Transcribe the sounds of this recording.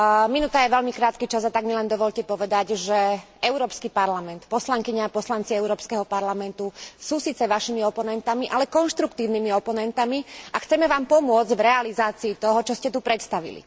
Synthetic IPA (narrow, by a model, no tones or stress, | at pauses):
minut̪ajɛʋɛʎmikɾaːt̪̚kit͡ʃazat̪aɡmilɛnd̪ɔʋɔʎcɛpɔʋɛd̪aɟʒɛ | ɛʊɾɔːpskipaɾlamɛnt̪pɔslaŋkiɲaːpɔslant͡siɛʊɾɔːpskɛɦɔpaɾlamɛnt̪usuːsiːt͡sɛʋaʃimiɔpɔnɛnt̪amiʔalɛkɔnʃt̪ɾukt̪iːʊnimiɔpɔnɛnt̪amiaxt͡sɛmɛʋaːmpɔmʊɔd͡zɟvɾɛalizaːt͡siːt̪ɔɦɔt͡ʃɔscɛt̪upɾɛt̪st̪aʋḭlḭ